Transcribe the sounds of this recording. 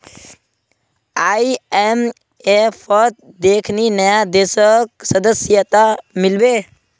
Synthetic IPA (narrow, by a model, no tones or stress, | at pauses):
aiem | epʰət̪̚d̪ekʰninəjad̪esək̚səd̪əsjət̪amilbe